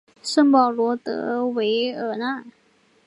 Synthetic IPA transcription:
ʂə˥˩ŋpɑ˨˩ʊlwɔ˧˥t̪ɤ̰˧˥we˧˥ɪə˨˩nə˥˧˩

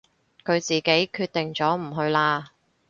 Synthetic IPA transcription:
kʰɵ˨˧ɥt͡siː˨ke˨˥jkʰyː˧t̪ɪ˨ŋt͡sɔː˨˥m̩˨˩ɦɵ˧ɥlaː˧

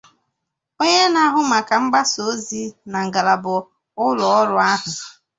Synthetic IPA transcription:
o˦ɲe˦na˨˦ɦʊ˦ma˨ka˨m̩˦ɡ͡ba˦so˦zi˦na˨ŋ̩˨ɡa˨la˨bʊ˨ | ʊ˦lʊ˨ɔ˦ɾʊ˦a˦ɦʊ˨

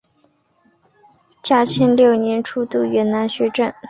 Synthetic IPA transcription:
t͡ɕja˥˩t͡ɕʰɛ˥nljo˥˩ʊnjɛ˧˥nʈ͡ʂʰu˥˧t̪u˥˩ɥɛ˧˥nna˧˥nɕɥɛ˧˥ʈ͡ʂə˥˩n

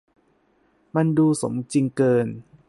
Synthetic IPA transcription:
ma˧nduː˧so̰˩˦mt͡ɕi˧ŋkɤː˧n

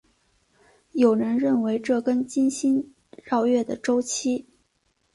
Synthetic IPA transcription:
jo˨˩ʊɻə˧˥nɻə˥˩nwe˧˥ɪʈ͡ʂɤ˥˩kə˥nt͡ɕi˥nɕi˥n | ɻɑ˥˧ʊɥɛ˥˩d̪ə˩ʈ͡ʂo˥ʊt͡ɕʰi˥

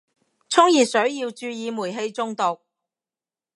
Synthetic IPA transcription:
t͡sʰʊ˥ŋjiː˨t̚sɵ˨˥ɥjiː˧wt͡ʃyː˧jiː˨˧muː˨˩jɦe˧jt͡sʊ˧ŋt̪ʊ˨k̚

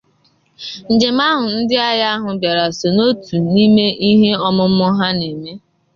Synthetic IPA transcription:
n̩˨d͡ʒe˨m˦a˦ɦʊ˨n̩˦dɪ˦a˦ja˦a˦ɦʊ˨bja˨ɾa˨so˨no˦tu˨ni˦me˦ʔi˦ɦe˦ɔ˦mʊ˦m̩ʊ˦ɦa˦ne˨me˦

